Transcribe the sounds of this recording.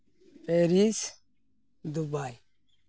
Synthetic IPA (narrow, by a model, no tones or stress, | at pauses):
pʼeɾis | d̪ubaj